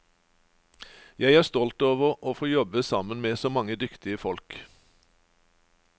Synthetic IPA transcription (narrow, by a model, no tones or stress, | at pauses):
jæɪæːʁst̪ɔlt̪oːʋəʁʔoːfoːjɔbəsɑmənmeːsoːmɑŋəd̪ʏkt̪ɪəfɔlk